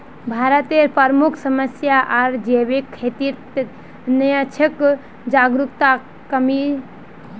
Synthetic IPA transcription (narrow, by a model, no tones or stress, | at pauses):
bʱaːɾət̪eɾpəɾmukʰsəməsjaʔaɾd͡ʒeʋekʰːet̪iɾt̪ | nəjãt͡ʃʰək | d͡ʒaɡɾukt̪a | kəmi